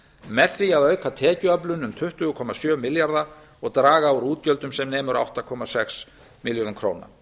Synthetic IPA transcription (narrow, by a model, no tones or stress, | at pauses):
mɛðθiaðœɥkʰat̪ʰɛːcʏœplʏnʏmt̪ʰʏht̪ʏɣʏkʰɔmːasjœːmɪljaɾða | ɔɣt̪ɾaːɣauɾuːt̪cœlt̪ʏmsɛmneːjmʏɾa̰wht̪akʰɔmasɛks | mɪljonamkʰɾo̰ːwna̰